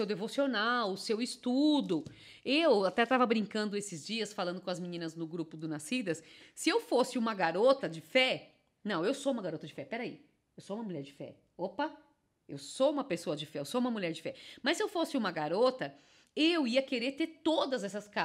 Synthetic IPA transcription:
sewd̪evosionawʊsewɪst̪ud̪ʊ | ewat̪ɛt̪avɐbɾĩŋkɐ̃nd̪ʊesɪzd͡ʒiɐsfalɐ̃nd̪ʊkõɐzmĩnĩnɐznʊɡɾupʊd̪ʊnasid̪ɐssɪewfosɪũmɐɡaɾot̪ɐd͡ʒɪfɛ | nɐ̃w̃ewsoũmɐɡaɾot̪ɐd͡ʒɪfɛpɛɾai | ewsoũmɐmuʎɛɾd͡ʒɪfɛ̰ | opɐ | ḛwsoũmɐpesoɐd͡ʒɪfɛewsoũmɐmuʎɛɾd͡ʒɪfɛmɐsːɪewfosɪũmɐɡaɾot̪ɐ | ewiɐkeɾeɾt̪eɾt̪od̪ɐzɛsɐska

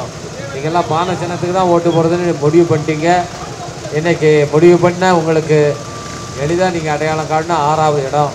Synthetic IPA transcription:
niːŋɡɐɛlːãːpaːnɐt͡ʃɛnːɐt̪ːɯkːɯt̪ãːoːʈːɯpoːɾɐðɯnːɯmɔɽɪʋɯpɐɳʈːiːŋɡɐ | ɛnːɐkːɯmɔɽɪʋɯpɐɳːɐʊŋɡɐɭɯkːɯ | ɛɭɪðaːniːŋɡɐːɽɐjaːɭɐ̃ŋɡaːɽɯnːaaːɾaːʋɐɛɽɔ̃

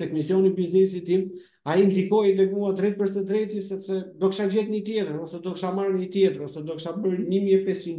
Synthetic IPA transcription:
t̪ɛkmisjɔnibiznɛsit̪im | aind̪ikɔjd̪ɛkmuad̪ɾɛt̪̚pəɾst̪ɛd̪ɾɛt̪isɛpsɛd̪ɔkʃad͡ʑɛt̪ɲət̪jɛt̪əɾɔsɛd̪ɔkʃamaɾɲət̪jɛt̪əɾɔsɛd̪ɔkʃabəɾnimjɛpɛst͡ʃin

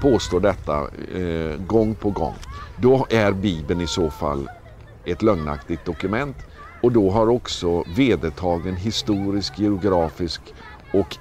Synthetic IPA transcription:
pʰoːst̪oːɖɛt̪ːa̰ | ɡɔŋːpʰɔɡɔ̰ŋːd̪ɔæɾbiːbənɪsoːfa̰lː | ɛt̪lœŋna̰kt̪ɪɡt̪̚d̪ɔkɵmɛnt̪ | ɔd̪ɔɦaɾɔksɔveːd̪ət̪ʰɑːɡənɦɪst̪uːɾɪskjɪʊɡɾɑːfɪsk | ɔk

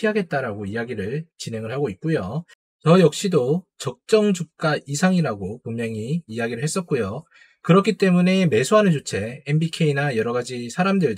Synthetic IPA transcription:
iɦaɡe̞t̚t͈aɾaɡoiaɡiɾɯɭt͡ɕine̞ŋɯɭhaɡoit̚k͈ujo | tʌjʌk̚ɕ͈idot͡ɕʌk̚t͡ɕ͈ʌŋd͡ʑup̚k͈aʔisʰaŋiɾaɡopummjʌŋiːjaɡiɾɯɭɦe̞s͈ʌt̚k͈ojo | kɯɾʌkʰit͈e̞mune̞me̞sʰoɦanɯnt͡ɕot͡ɕʰe̞enbikʰe̞inajʌɾʌɡad͡ʑisʰaɾamdɯɭ

